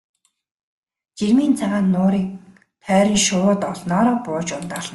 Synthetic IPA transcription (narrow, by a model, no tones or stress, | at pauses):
t͡ɕermiːnt͡sʰaʁaːnːʊːɾiːk̚ | t̪ʰœːɾʲĭŋʃʊwʊt̪ɔɮnɔːɾɔːpʊːt͡ɕʊnt̪aːɮ̥̆